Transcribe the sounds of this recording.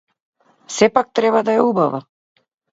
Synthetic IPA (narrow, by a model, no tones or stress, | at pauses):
sɛpak̚t̪ɾɛbad̪aɛubava